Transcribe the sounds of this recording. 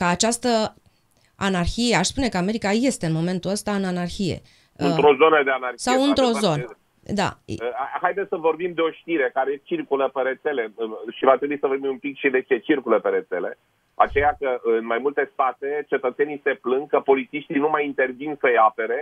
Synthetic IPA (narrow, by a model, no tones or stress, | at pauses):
kəat͡ʃast̪ə | anarçije̞aʃspune̞kəameɾikaje̞st̪eɨnmo̞me̞nt̪uəst̪aɨnanarçije̞̰ | ɨnt̪ɾozo̞nəd̪eanarsawɨnt̪ɾo̞zo̞n | d̪a̰ɦajd̪et̪səvo̞rbimd̪e̞o̞ʃt̪iɾe̞kaɾe̞t͡ʃirkuləpeɾe̞t̪se̞le̞ɨʃivat̪ɾe̞buisəvorbimumpikʃid̪e̞t͡ʃe̞t͡ʃirkuləpeɾe̞t̪se̞le̞̰ | at͡ʃe̞jakəʔɨnmajmult̪e̞st̪at̪e̞t͡ʃe̞t̪ət̪se̞nijse̞plɨŋɡkəpo̞lit̪siʃt̪inumajint̪e̞rvinsəjape̞ɾe̞